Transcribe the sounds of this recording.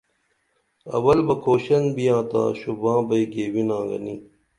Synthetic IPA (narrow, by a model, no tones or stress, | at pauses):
ɐ̰wɐlbɐkʰoːɕɐnbijãːt̪a̰ːɕubãːbɐiɡeːwinãːɡɐ̰ni